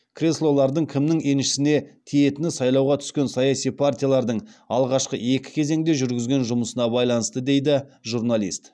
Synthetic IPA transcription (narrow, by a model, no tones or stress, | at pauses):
kʰrʲe̞slˠo̞lˠɑɾd̪əɴkʲʰɪmnɪŋe̞nʃɪ̥sɪne̞t̪ʰije̞t̪ɪnɪsɑjlˠɑwʁɑt̪ʰʏ̥skʲe̞nsɑjɑsijpʰart̪ʲijalˠɑɾd̪əɴɑlˠʁɑʃqəe̞kʲɪ̥kʲʰe̞ze̞ŋd̪e̞ʒʏɾɡʲɪzɡʲe̞nʒʊməsənɑbɑjlˠɑnəst̪əd̪e̞jd̪ɪʒurnalʲˠḭst̪